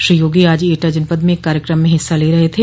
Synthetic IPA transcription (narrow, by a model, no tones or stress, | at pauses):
ʃɾijoːɡiaːd͡ʒeːʈad͡ʒɐnpəd̪mẽkːaːɾjəkɾəmːẽɦɪsːaleːɾɐɦet̪ʰeː